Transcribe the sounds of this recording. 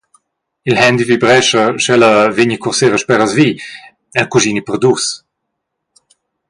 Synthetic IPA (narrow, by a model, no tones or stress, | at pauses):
ilhɛnd̪ivibɾɛʃəʃɛləveɲəkuʁseʁəʃpɛʁəzvi | ɛlkuʒinipəʁd̪us